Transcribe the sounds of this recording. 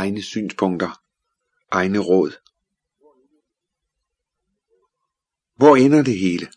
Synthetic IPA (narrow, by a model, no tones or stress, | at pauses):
ɪnəsy̰ːnspʰɔ̽ŋ̰d̥ɐ | ʔɑ̈ɪnəʁɔ̽ð̞̰ˠ | ʋɒenɐd̥e̝ɦe̝ːlə